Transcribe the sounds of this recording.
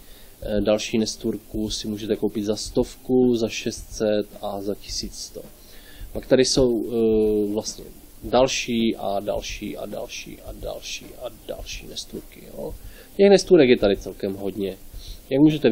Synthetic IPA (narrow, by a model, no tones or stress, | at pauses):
dalʃiːnɛst̪uːɾkusɪmuːʒɛt̪ɛkowpɪd̪zast̪o̞fkuzaʃɛst̪sɛt̪azacɪ̥siːt͡sst̪o | pak̚t̪aɾɪso̞w | vlast̪ɲɛ̰ | dalʃiːʔada̰lʃḭːʔa̰da̰lʃḭːʔada̰lʃḭːʔada̰lʃḭːnɛst̪uːɾkɪo̰ | cɛxnɛst̪uːɾɛkjɛt̪adɪt͡sɛlkɛmɦo̞dɲɛjaɡmuːʒɛt̪ɛ